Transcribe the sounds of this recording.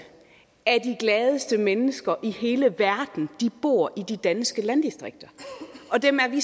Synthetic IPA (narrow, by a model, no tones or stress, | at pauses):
æɐd̥iɡ̥lɛːð̞ˠəsd̥əmenəsɡ̥ɐʔihe̝ːləʋæɐd̥n̩d̥ib̥o̝̰ɐ̰ʔid̥id̥ænsɡ̥əlænd̥isd̥ʁeɡ̥̚d̥ɐʔɒ̽d̥emæɐʋi